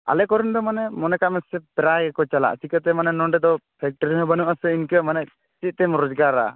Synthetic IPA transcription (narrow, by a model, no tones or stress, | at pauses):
a̰lɛkɔɾind̪ɔmanɛmɔnɛkamɛsɛp̪ɛɾaɡɛkɔt͡ʃala̰ʔt͡ʃikət̪ɛmanɛnɔɳɖɛd̪ɔpʰɛk̚ʈɔɾiɦɔbənuʔasɛinkəmanɛʔ | t͡ʃit̪̚ˀt̪ɛmɔɾɔd͡ʒɡaɾa̰